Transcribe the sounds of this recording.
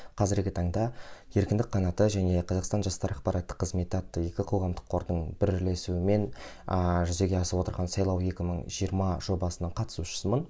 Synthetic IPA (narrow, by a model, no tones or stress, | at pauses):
qʰɑzɪɾɡʲɪt̪ʰɑɴd̪ɑje̞ɾkʲɪnd̪ɪk̚qʰːɑnɑt̪əʒæne̞qʰɑzɑqst̪ɑnʒɑst̪ɑɾɑqpɑɾɑt̪ːə̥qʰːəzme̞t̪ɑt̪ːəje̞kʲɪqʰowʁɑmd̪əqʰːo̞ɾd̪əɴbɪɾɪɾle̞suɪme̞n | ʒʏze̞ɡʲe̞ɑsəpwo̞t̪əɾʁɑnsɑjlˠɑwe̞kʲɪməɴʒijəɾmɑʒ̥o̞bɑsənɑɴqʰɑt̪ə̥suʃə̥səmən